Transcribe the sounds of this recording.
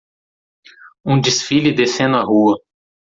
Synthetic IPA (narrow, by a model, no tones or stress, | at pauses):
ũd͡ʒisfilʊd̪esẽnd̪ʊɐɦuɐ